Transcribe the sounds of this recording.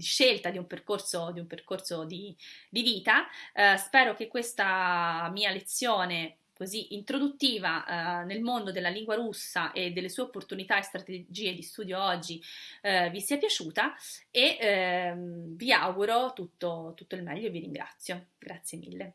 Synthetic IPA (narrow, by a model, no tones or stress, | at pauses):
d̪iʃːelt̪ad̪iumperkorsod̪iumperkorsod̪id̪iviːt̪aspɛːɾok̟ekːwest̪amiːalet̪sːjoːne | koziʔint̪ɾod̪ut̪ːiːvanelmond̪od̪elːaliŋɡwaɾusːaʔed̪ːelːesuːeopːort̪unit̪aest̪ɾat̪ed͡ʒiːed̪ist̪uːd̪joɔd͡ʒːi | visiːapjat͡ʃuːt̪ae | via̰wɡuɾot̪ut̪ːot̪ut̪ːoilmɛʎːoeviɾiŋɡɾa̰t̪sːjoɡɾat̪sːjemḭlːe